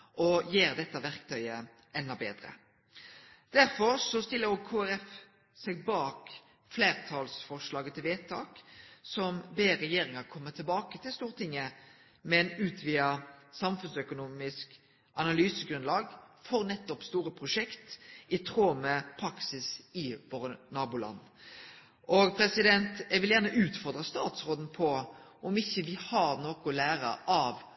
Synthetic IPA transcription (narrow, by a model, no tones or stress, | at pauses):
ʔɔjeːɾd̪ɛt̪ːəʋæʁkt̪ʰœʏə | ɛnːɑbeːd̪ʁə̰ | d̪̥æɾfɔɾsɔst̪ɪlːəɾoːɡ̚kʰuːæɾɛf | sɛɡ̚bɑːk | fleːʁt̪ʰɑlsfɔʁʂlɑːɡət̪ʰɪlʋeːt̪ʰɑ̰ːksɔmbeːɾɛjeːɾɪŋɑkʰɔmːət̪ʰɪlbɑːkət̪ʰɪlst̪uːʁt̪ɪŋːə | mɛnʉːt̪ʰʋiːəsɑmfʉnsœkʊnuːmɪsk | ʔɑnɑlyːsəɡɾʉnlɑːɡfɔʁnɛt̪ːɔpst̪uːɾəpʰɾʊʂɛkt̪ɪt̪ʰɾoːməpʰɾɑksɪsɪʋoːɾənɑːbʊlɑ̰nː | ʔɔɡpʰɾɛsɪd̪ɛnt̪jɛɪɡʋɪljæʁnəʔʉːt̪fɔʁd̪ʁɑst̪ɑːt̪sɾoːd̪n̩pʰɔʔɔmɪçːəʋɪhɑɾnɔːkʊlæːɾə̰ɑʋ